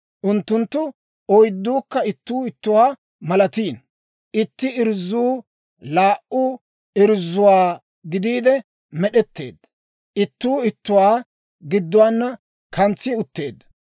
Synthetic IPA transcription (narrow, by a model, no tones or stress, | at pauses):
ʔʊnt̪ːʊnt̪ːʊ | ɔjd̪ːuːkːɐɪt̪ːuːɪt̪ːʊwaː | mɐlɐt̪iːn | ʔɪt̪ːɪɪɾzːuː | laːʔʊ | ɪɾzːʊwaː | ɡɪd̪iːd̪ɛ | mɛɗɛt̪ːe̞̰ːd̪ːɐ | ʔɪt̪ːuːɪt̪ːʊwaː | ɡɪd̪ːʊwaːnːɐ | kɐnt͡sːɪʊt̪ːe̞ːd̪ːɐ̥